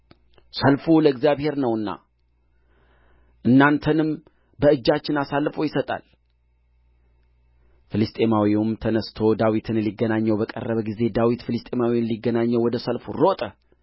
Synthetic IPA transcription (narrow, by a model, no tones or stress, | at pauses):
səlfuləɨɡzjaβhe̞ɾnəwɨnːa̰ | ʔɨnːant̪ʰənɨm | bəɨd͡ʒːat͡ʃːɪnasalːɨfowjɪsət̪ʼa̰l | filɨst̪ʼe̞mawiʊmt̪ʰənəst̪ʰo̞d̪awit̪ʰɨnliɡːənaɲːəwbəkʼə̰rːəβəɡize̞d̪awit̪filɨst̪ʼe̞mawinliɡːənaɲːɛwɔd̪əsəlfuro̞t̪ʼə